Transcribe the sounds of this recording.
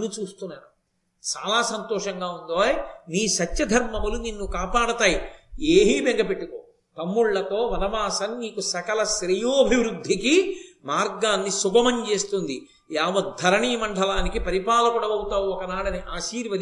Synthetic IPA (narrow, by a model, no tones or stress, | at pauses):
nːut͡ʃuːst̪unːaːnu | t͡ʃaːlaːsɐnt̪ɔːʂɐŋɡaːund̪oːniːʃɐt͡ʃːt͡ʃɐd̪ʱɐɾmɐmɐluninːukaːpaːɽɐt̪aːjieːɦiːbeŋɡɐpeʈːikoː | t̪ɐmːuɭːɐt̪o̞ːʋɐnɐʋaːsɐnniːkusɐkɐlɐʃɾɐjoːɐbʱiʋɾud̪ʱːikimaːɾɡaːnːisubɐmɐɲt͡ʃe̞ːst̪und̪i | jaːʋɐd̪d̪ʱːɐɾɐɳiːmɐɳɖʰʱɐlaːnikipɐɾipaːlɐkuɽɐʋɐwut̪aːwuɔkɐnaːɽɐniʔaːʃiːɾjʋɐd̪